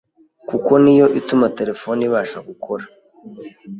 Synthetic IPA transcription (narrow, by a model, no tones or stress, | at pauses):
kuko̞nijo̞ʔitumate̞ɾe̞fo̞niβaːʃaɡukʰo̞ɾḁ